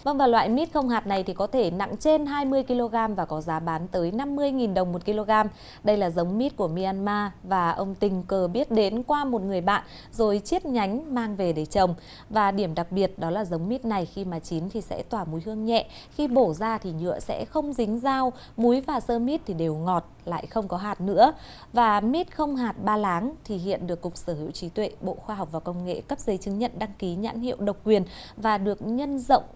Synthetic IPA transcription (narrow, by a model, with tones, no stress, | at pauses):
və˧ŋvaː˨˩lwa̰ː˧˨jmi˦˥t̚xə˧wŋ͡mɦaː˨˩t̚na˨˩jt̪ʰi˨˩kɔ˨˦t̪ʰe˧˩na̰˧˨ŋt͡ɕe˧nɦaː˧jmɨ˧əjki˧lo˧ɣaː˧mvaː˨˩kɔ˨˦zaː˨˦ɓaː˨˦nt̪əː˨˦jna˧mːɨ˧əjŋi˨˩nɗə˨˩wŋ͡mmo˨˩t̚ki˧lo˧ɣaː˧m | ɗə˧jlaː˨˩zə˨˦wŋ͡mmi˦˥t̚ku˧˩əmi˧aː˧nmaː˧vaː˨˩ʔə˧wŋ͡mt̪ï˨˩ŋ̟kəː˨˩ɓi˦˥ət̚ɗe˨˦nkwaː˧mo˨˩t̚ŋɨ˨˩əjɓa̰ː˧˨n | zo˨˩jt͡ɕi˦˥ət̚ɲa˨˦jŋ̟maː˧ŋve˨˩ɗe˧˩t͡ɕə˨˩wŋ͡m | vaː˨˩ɗi˧˩əmɗa˨˩k̚ɓi˨˩ət̚ɗɔ˨˦laː˨˩zə˨˦wŋ͡mmi˦˥t̚na˨˩jxi˧maː˨˩t͡ɕi˨˦nt̪ʰi˨˩sɛ̰˧˥t̪waː˧˩mu˨˦jɦɨ˧əŋɲɛ̰˧˨xi˧ɓo˧˩zaː˧t̪ʰi˨˩ɲɨ̰˧˥əsɛ̰˧˥xə˧wŋ͡mzï˨˦ŋ̟zaː˧w | mu˨˦jvaː˨˩səː˧mi˦˥t̚t̪ʰi˨˩ɗe˨˩wŋɔ˨˩t̚la̰ː˧˨jxə˧wŋ͡mkɔ˨˦ɦaː˨˩t̚nɨ̰˧˥ə | vaː˨˩mi˦˥t̚xə˧wŋ͡mɦaː˨˩t̚ɓaː˧laː˨˦ŋt̪ʰi˨˩ɦḭ˧˨ənɗɨ˨˩əkːʊ˨˩k͡p̚səː˧˩hḭ˧˨wt͡ɕi˨˦t̪wḛ˧˨ɓo̰˧˨xwaː˧ɦa˨˩wk͡p̚vaː˨˩kə˧wŋ͡mŋḛ˧˨kə˦˥p̚zə˨˦jt͡ɕɨ˨˦ŋɲə̰˧˨nɗa˧ŋki˨˦ɲa̰ː˧˥nhḭ˧˨əwɗə˨˩wk͡p̚kwi˨˩ən | vaː˨˩ɗɨ˨˩ək̚ɲə˧nzə̰˧˨wŋ͡m